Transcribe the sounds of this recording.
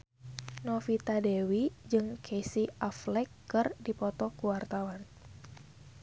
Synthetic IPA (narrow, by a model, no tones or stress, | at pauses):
nɔfit̪adewid͡ʒɨŋkʰesiaflɛkːɨrdipɔt̪ɔkuwart̪awan